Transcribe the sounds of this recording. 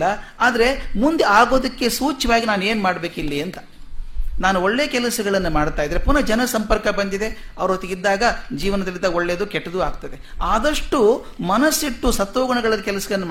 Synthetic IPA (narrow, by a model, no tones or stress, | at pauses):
ɐ | aːd̪ɐɾe̞mund̪eaːɡo̞ːd̪ɐkːe̞suːt͡ʃːɐʋaːɡinaːne̞ːnumaːɽbe̞ːkilːiɐnt̪ɐ̥ | naːnuoɭːeːɐkɛlɐsɐɡɐɭɐnːumaːɽt̪aːjid̪ːɾepunɐd͡ʒɐnɐsɐmpɐɾkɐbɐnd̪id̪e̞ɐʋɐɾoːt̪iɡid̪ːaːɡɐd͡ʒiːʋɐnɐd̪ɐlind̪ɐoɭːed̪ukɛʈːɐd̪uːaːɡt̪ɐd̪e̞aːd̪ɐʂʈu | mɐnɐsːiʈːusɐt̪ːoːɡɐɳɐɡɐɭɐd̪ɐkɛlɐsɐɡɐɭɐnːm